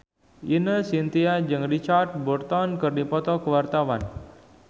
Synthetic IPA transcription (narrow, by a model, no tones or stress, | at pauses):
inəsint̪iad͡ʒəŋrit͡ʃat̚burt̪ɔnkərnipɔt̪ɔkwart̪awan